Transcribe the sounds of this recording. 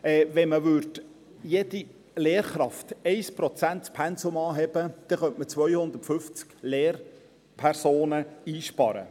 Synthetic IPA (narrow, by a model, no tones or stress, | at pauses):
ɛːvɛnməʋʏɾt | jedi | leːɾχɾɑftɛɪspɾɔt͡sæntpʰɛnsʊmɑːɦɛb̥əd̪̥ɛχœntmət͡sʋœʏhʊnd̪ətfʏft͡skleːr | pʰæɾsoːnəiːʃpɑ̰ɾə̰